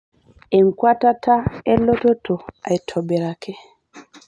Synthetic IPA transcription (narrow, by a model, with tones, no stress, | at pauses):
e˨ŋkwa˦ta˦tʰa˦ɛ˦lo˦to˦tʰo˨a˨jtʰɔ˨bɛ˨ɾa˨kʰɛ˦